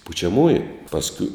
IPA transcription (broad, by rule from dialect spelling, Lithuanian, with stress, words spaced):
pʊt͡ʃʲɛˈmuːjʊ pɐsʲˈkʲʊ